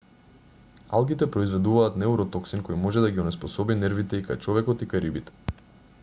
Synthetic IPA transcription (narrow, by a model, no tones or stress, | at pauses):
alˠɡit̪ɛpɾɔizvɛd̪uvaːt̪nɛuɾɔt̪ɔksinkojmɔʒɛd̪aɡiɔnɛspɔsɔbinɛɾvit̪ɛikajt͡ʃɔvɛkɔt̪ikaɾibit̪ɛ̥